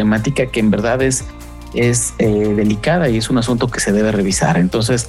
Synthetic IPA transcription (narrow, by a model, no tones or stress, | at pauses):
emat̪ikakeːmbe̞ɾðaðe̞s | e̞seðe̞likaðaie̞sunas̬ũnt̪o̞ke̞se̞ðe̞βe̞re̞β̞isa̰ɾe̞nt̪o̞nse̞s